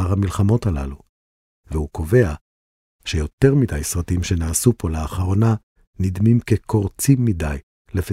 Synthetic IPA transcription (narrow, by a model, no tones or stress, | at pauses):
aʁhamilχamo̞thala̰lu | vehukʰo̞ve̞a | ʃejo̞te̞ʁmidajsʁatimʃe̞naːsupʰo̞leaχaʁo̞na | nidmimkekʰo̞ʁt͡simːidaj | lefe